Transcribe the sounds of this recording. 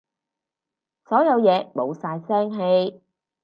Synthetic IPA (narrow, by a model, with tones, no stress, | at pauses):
sɔː˨˥jɐ˨˧wjɛː˨˧mo˨˧wsaː˧jsɛː˥ŋɦe˧j